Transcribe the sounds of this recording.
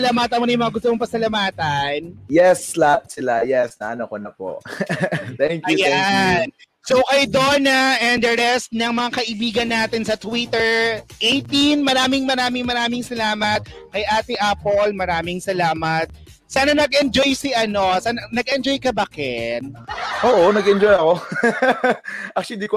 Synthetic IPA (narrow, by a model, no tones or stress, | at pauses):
ɐlamat̪ɐmonɐjʊmɐŋaɡʊst̪omoŋpɐsɐlɐmaːt̪ɐnjɛslap̚sɪla̰jɛsnɐ̰ʔɐnokonɐpo̰ | t̪ɛŋkjujan | sowkɐjd̪onɐʔɛnd̪ɐɾɛst̪̚nɐŋmɐŋakɐʔɪbiːɡɐnːaːt̪ɪnsɐt̪wit̪ɛɹʔejt̪inmɐɾaːmɪŋmɐɾaːmɪŋmɐɾaːmɪŋsɐlaːmɐt̪̚kɐjʔaːt̪ɪʔapolmɐɾaːmɪŋsɐlaːmɐt̪̚ | saːnɐnɐɡʔɛnd͡ʒojsɪʔɐno̞saːnɐnɐɡɛnd͡ʒojkɐbɐkɛnʔoːʔonɐɡɛnd͡ʒojɐko | ʔɐk̚t͡ʃd̪iko